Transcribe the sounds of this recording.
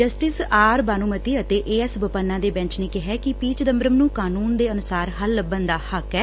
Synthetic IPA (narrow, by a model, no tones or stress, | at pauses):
d͡ʒəsʈɪsaːɾbaːnuːmət̪iːət̪eːʔeːɛsbəpənːãːd̪eːbɛ̃nt͡ʃnẽːkɪɦɛːkɪpiːt͡ʃd̪əmbɾəmnũːkaːnuːnd̪eːənʊsaːɾɦəlːəbːənd̪aːhəkɛː